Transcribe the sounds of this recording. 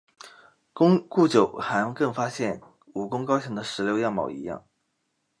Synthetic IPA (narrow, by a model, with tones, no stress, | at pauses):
ku˥˩t͡ɕjo˨˩ʊxa˧˥nkɤ˥˩ŋfa˥ɕjɛ˥˩n | u˨˩kʊ˥ŋkɑ˥ʊɕʰɤ˧˥ŋd̪ə˧ʂɻ̩˧˥ljo˧˥ʊjɑ˥˩ŋmɑ̰˨˩ʊḭ˧˥jɑ̰˥˩ŋ